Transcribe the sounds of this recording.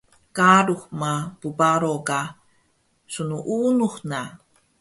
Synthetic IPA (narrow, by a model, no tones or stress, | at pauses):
kaɾuxmapubaɾoka | sunuʔunuxna